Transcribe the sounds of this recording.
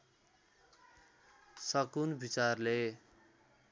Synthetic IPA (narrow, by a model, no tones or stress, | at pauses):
sʌkunbit͡sarle